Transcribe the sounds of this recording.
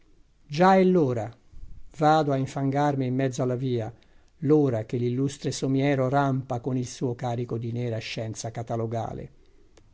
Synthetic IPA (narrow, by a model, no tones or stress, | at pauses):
d͡ʒaelːoːɾa | vaːd̪oaiɱfaŋɡarmɪimːɛd̪zːoalːaviːa | loːɾak̟elːilːust̪ɾesomjɛːɾorampakonilsuːokaːɾikod̪inɛːɾaʃːɛnt̪sakat̪aloɡa̰ːlḛ